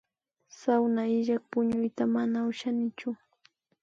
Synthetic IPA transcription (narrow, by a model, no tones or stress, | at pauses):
sawnaɪʒak̚pʊɲʊjt̪amanaʊʃanɪt͡ʃʊ